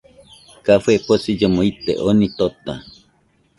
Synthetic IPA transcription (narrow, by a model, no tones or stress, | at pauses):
kafeposid͡ʒomoit̪ḛʔonit̪ot̪a